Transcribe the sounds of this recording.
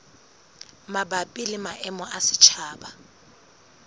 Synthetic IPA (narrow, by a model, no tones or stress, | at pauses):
mabapʼilɪmaʔɛmɔʔasɪ̥t͡ʃʰaːba